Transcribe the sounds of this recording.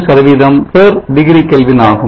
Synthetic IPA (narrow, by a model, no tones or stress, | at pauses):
sɐɾʋiðɐmpeːɾɖɪɣɾikːɛlʋɪnaːɣɯ